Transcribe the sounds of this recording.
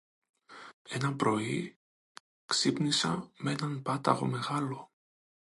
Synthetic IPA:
e̞nɐpɾo̞i | ksipnisɐ̰mee̞nɐnpɐt̪ɐ̰ɣo̞̰me̞ɣɐlo̞

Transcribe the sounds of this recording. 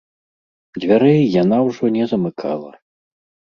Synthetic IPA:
d͡zʲvʲaɾɛjjanawʐɔnʲɛzɐmɨkʰa̰lˠɐ̰

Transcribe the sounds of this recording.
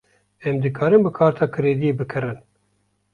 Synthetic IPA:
ɛmd̪ɨkʰɑːɾɨmbɨkʰɑːɾt̪ʰɑːkʰɨɾeːd̪ijeːbɨkʰɨɾɨn

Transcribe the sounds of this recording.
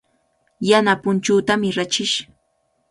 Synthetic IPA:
janapʊnt͡ʃuːt̪amɪɾat͡ʃɪʃ

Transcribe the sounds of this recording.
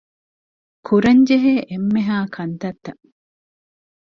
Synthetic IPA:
kʰuɾɐɲd͡ʒeɦeːʔemːeɦaːkʰɐnt̪ɐt̪ːɐ

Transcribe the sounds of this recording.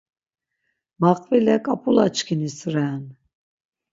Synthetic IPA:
maqʼvilɛkʼapʰʼulat͡ʃkʰinisɾɛn

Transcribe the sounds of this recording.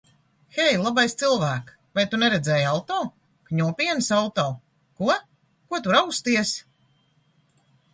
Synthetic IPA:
xɛjlˠabajst̪silˠvæːk | vajt̪unɛɾɛd̪zɛːjawt̪ɔː | kɲuɔpʲiɛnsawt̪ɔː | kuɔ | kuɔt̪uɾawst̪iɛs

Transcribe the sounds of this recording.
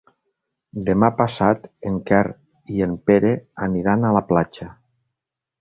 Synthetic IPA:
d̪emapasat̪eŋkɛr | iempeɾeaniɾanalaplat͡ʃa

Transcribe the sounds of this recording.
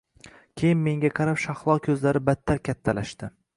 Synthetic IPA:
kʲʰe̞jɪnme̞ŋɡʲaqʰɑɾapʃɑχlˠɒkʲʰɵzlaɾɪbat̪ʰːaɾkʲʰat̪ʰːalaʃt̪ɪ

